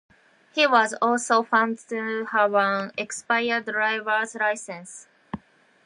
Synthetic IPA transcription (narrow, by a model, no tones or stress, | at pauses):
hiwɔzɔlsofãʊ̃ndtuhawãnɛkspaɪə˞dɹaɪvə˞zɾaɪsɛ̃ns